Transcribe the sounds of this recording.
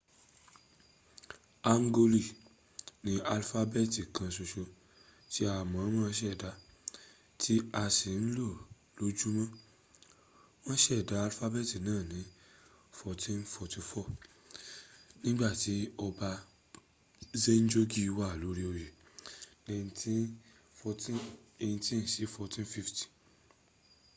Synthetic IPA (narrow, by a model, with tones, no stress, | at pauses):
a˧ŋ˦ɡo˧li˦˨ | nĩ˨˦a˧lfa˧bɛ˦˨ti˨kʰã˧so˧ʃo˧ | ti˦a˧˨mã˨˦w̃ã˦ʃ̬ɛ˦˨da˧ | tʰi˦a˧si˨n̩˦lo˦˨ | lo˨˦d͡ʒu˦mã˦ | w̃ɔ̃˦ʃɛ˦˨da˨˧a˧lfa˦bɛ˦˨ti˨nãː˦˨nĩ˨˦ | fɔ˧tʰĩ˦n˦fɔ˧ti˧fɔ˦˨ | nĩ˦ɡ͡ba˦˨ti˨˦ɔ˧ba˧ | ze˦n̩˦d͡ʒo˦ɡi˦˧wa˦˨lo˨˦ɾi˦o˧je˨ne˧ĩ˧ti˦ | fɔ˧tĩ˦ne˧jĩ˧tĩ˦n̩˨ʃi˨˦fɔ˧tĩ˦n˦fi˦fti̥˨